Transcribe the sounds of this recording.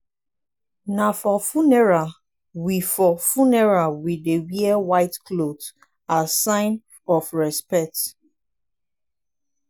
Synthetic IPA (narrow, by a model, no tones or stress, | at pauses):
nafɔfunɛɹa | wifɔfunɛɹawidewiɛwaɪtklot | asãɪ̃n | ɔfɹɛspɛk̚t